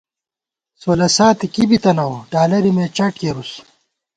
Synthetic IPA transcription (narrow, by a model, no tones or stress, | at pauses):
soːlɐsaːt̪ikibit̪ɐnɐwɖaːlɐɾimeːt͡ɕɐʈkeːɾus